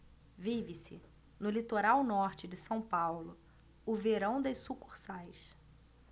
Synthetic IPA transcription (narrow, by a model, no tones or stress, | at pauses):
vivɪsɪ | nʊlit̪oɾawnɔɾt͡ʃɪd͡ʒɪsɐ̃w̃pawlʊ | ʊveɾɐ̃w̃d̪ɐsukuχsajs